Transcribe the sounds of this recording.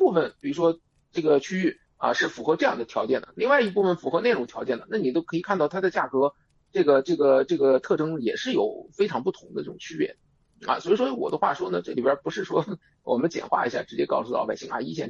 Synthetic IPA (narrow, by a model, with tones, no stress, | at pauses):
pu˥˩fə˨˩npi˨˩ɻu˧˥ʂwɔ˥ | ʈ͡ʂɤ˥˩ɡə˩t͡ɕʰy˥y˥˩ | ɐ̰˧ʂɻ̩˥˩fu˧˥xɤ˧˥ʈ͡ʂɤ˥˧jɑ˥˩ŋd̪ə˩t̪ʰjɑ˧˥t͡ɕjɛ˥˩nd̪̥ə̰˩li˥˧ŋwa˥˧ɪi˥˧pu˥˩fə˨˩nfu˧˥xɤ˧˥na˥˩ɪʈ͡ʂʊ˨˩ŋt̪ʰjɑ˧˥ʊt͡ɕjɛ˥˩nd̪ə˩na˥˩ni˨˩t̪o˥ʊkʰɤ˧˥i˨˩kʰa˥˧nt̪ɑ˥˩ʊt̪ʰa˥˧t͡ɕja˥˩kɤ˧˥ | ʈ͡ʂɤ˥˩ɡə˩ʈ͡ʂɤ˥˩ɡə˩ʈ͡ʂɤ˥˩ɡə˩t̪ʰɤ˥˩ʈ͡ʂɤ˥ŋjɛ˨˩ʂɻ̩˥˩jo˨˩ʊfe˥ɪʈ͡ʂʰɑ˧˥ŋpu˥˩t̪ʰʊ˧˥ŋd̪ə˧ʈ͡ʂɤ˥˩ʈ͡ʂʊ˨˩ŋt͡ɕʰy˥pjɛ̰˥˩n | ɐ̰˧swɔ˧˥i˨˩ʂwɔ˥wɔ̰˨˩d̪ə˦xwa̰˥˩ʂwɔ˥nə˨ʈ͡ʂɤ˥˩li˨˩bjə˞˧˥pu˧˥ʂɻ̩˥˩ʂwɔ˥ | wɔ˨˩mə˦nt͡ɕjɛ̰˨˩nxwa̰˥˩ḭ˧˥ɕja̰˥˩ʈ͡ʂɻ̩˧˥t͡ɕjɛ˥kɑ˥˧ʊsu˧˩˥ɑ̰˥˩pa˨˩ɪɕi˥˩ŋa̰˥˧˩i˥ɕjɛ˥˩n